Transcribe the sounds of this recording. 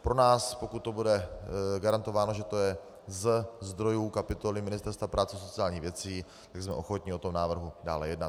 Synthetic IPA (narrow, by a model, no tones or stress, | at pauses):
pɾo̞naːspokut̪̚ːo̞budɛɡaɾant̪o̞vaːno̞ʒɛt̪o̞jɛ | zɛzd̪ɾo̞juːkapɪt̪olɪmɪnɪst̪ɛɾst̪vapɾʔaːt͡sɛsot͡sɪaːlɲiːɣvjɛt͡siː | t̪aɡsmɛ̰ʔo̞xo̞t̪ɲɪo̞t̪o̞mnaːvr̩ɦudaːlɛjɛdnat̪